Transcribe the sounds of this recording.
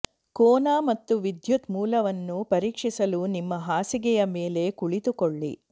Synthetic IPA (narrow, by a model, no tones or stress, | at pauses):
kɔːnaːmɐt̪ːuʋid̪jut̪muːlɐʋɐnːupɐɾiːkʂisɐlunimːɐɦaːsiɡɛjɐmeːle̞kuɭit̪ukoɭːḭ